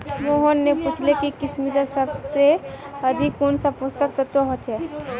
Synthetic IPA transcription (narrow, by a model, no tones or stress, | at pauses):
moɦənːeput͡ʃʰlekikɪsmid̪asəbse | əd̪ʱikːonsɐbosək̚t̪ət̪oɦot͡ʃʰɛ